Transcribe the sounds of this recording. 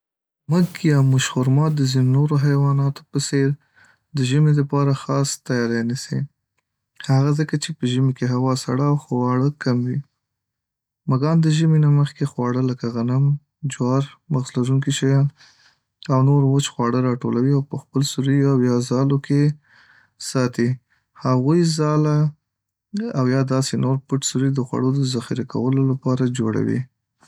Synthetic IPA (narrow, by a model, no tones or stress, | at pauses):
məkjɑmʊʃxʊɾmɑt̪̚d̪əzinonoɾoɦajwɑnɑt̪o̥pəseɾ | d̪əʒəmed̪əpɑɾaxɑst̪ajɑɾanise | haɣazəkat͡ʃepəʒəmekeɦawɑsaɽawxowɑɽəkamwi | maɡɑnd̪əʒəminaməxkexwɑɽələkaɣanam | d͡ʒwɑɾmaɣslazuŋkiʃajɑn | awnoɾwʊt͡ʃxwɑɽəɾɑʈolawiawpəxpəlsuɾijawjɑzɑlokʰe | sɑt̪i | haɣujzɑla | awjɑd̪ɑsenoɾpəʈsuɾid̪əxwa̰ɽod̪əzaxiɾaka̰wəlolapɑɾad͡ʒoɽa̰wḭ